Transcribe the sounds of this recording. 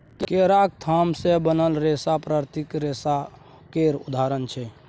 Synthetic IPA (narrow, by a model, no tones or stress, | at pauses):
kkeɾak̚t̪ʰamsebənəlɾesapɾaɾt̪ikɾesa | keɾud̪aɾənt͡ʃʰɛ